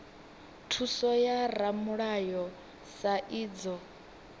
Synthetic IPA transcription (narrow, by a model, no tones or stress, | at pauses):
tʰusɔjaramuɺajɔ | saʔiːd͡zɔ